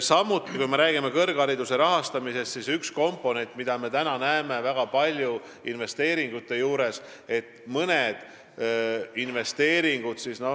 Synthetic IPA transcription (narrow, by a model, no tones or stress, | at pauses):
sɑmut̪ːˑikujme̞ɾæːɡimekɤrɡ̥ɑɾid̪use̞ɾɑɦɑst̪ɑmise̞st̪sisyksko̞mpːˑo̞ne̞nt̪ːˑmid̪̥ɑme̞t̪ænɑnæeme̞væɡ̥ɑpɑlʲju | inve̞st̪e̞ːɾiŋɡ̥ut̪ːˑe̞juːɾe̞s | e̞t̪ːmɤned̪̥ | inve̞st̪e̞ːɾiŋɡ̥ud̪̥sisno̞